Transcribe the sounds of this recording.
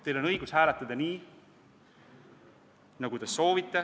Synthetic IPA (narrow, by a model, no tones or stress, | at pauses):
t̪ːejlo̞nɤjɡ̥ushæːlɛt̪ˑːɑd̪̥ɑniː | nɑɡut̪eso̞ːvit̪ːˑe